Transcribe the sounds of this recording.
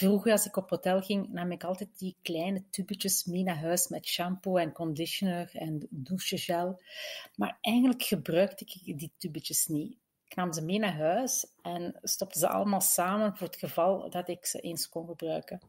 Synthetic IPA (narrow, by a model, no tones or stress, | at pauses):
vruɣəɑlˠsɪkɔpɦotɛlˠɣɪŋnaːmɪkɑlˠtɛt̚diklɛːjnətybət͡ʃəsmeːnaːɦœːsmɛtʃampoɛnkɔndɪʃonøːrɛnduʃəʒɛlˠmaːrɛjxɣəndləkxəbrœɥktəɪkditybət͡ʃəsni | ɪknaːmzəmeːnaːrɦœːsɛnstɔp̚təzəʔɑ̰ləmaːlˠsaːmənvoːrətxəvɑlˠdɑtɪksə̰ʔeːnskɔnɣəbrœ̰ːkən